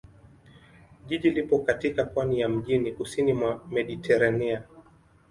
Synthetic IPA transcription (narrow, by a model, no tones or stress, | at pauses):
ʄiʄilipɔkatikapwanijam̩ʄinikusinimwamɛɗitʰɛɾania